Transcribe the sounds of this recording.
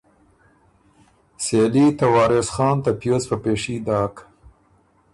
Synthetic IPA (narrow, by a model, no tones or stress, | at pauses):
selit̪awɑːɾesxɑːnt̪apjospəpeːʂid̪ɑːk